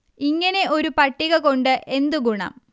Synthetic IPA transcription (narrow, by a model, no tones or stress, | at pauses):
iŋːɐne̞ʔo̞ɾupɐʈːiɣɐko̞ɳɖɨʔe̞nd̪uɡuɳɐ̰m